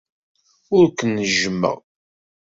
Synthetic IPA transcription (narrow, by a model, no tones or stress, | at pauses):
ʊɾkənːəʒmːə̰ʁ